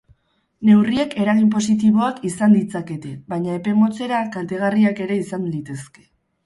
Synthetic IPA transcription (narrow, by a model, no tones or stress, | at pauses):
ne̞wrie̞ke̞ɾaɣimp̬o̞s̬it̪̬iβo̞akisand̪it͡sake̞t̪e̞βajɲae̞pe̞mo̞t͡se̞ɾakant̪eɣ̞ariake̞ɾe̞isanlit̪e̞ske̞̥